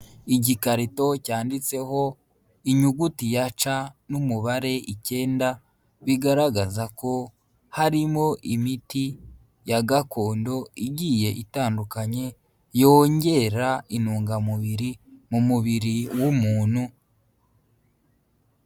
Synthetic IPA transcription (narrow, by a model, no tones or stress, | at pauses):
iɟikaɾito̞caːndit͡se̞ho̞ | iɲuɡutijat͡ʃanumuβaɾe̞ʔice̞ːnda | βiɡaɾaɡazako̞ | haɾimo̞ʔimiti | jaɡako̞ːndo̞iɟije̞ʔitaːndukaɲe̞ | jo̞ːɲɟe̞ɾainuːŋɡamuβiɾimumuβiɾiwumuːn̥hu